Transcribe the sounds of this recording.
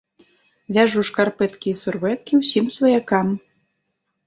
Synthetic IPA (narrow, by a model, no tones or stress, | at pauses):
vʲaʐuʂkarpɛt̪kʲiːsurvɛt̪kʲiwsʲimsvɐjakam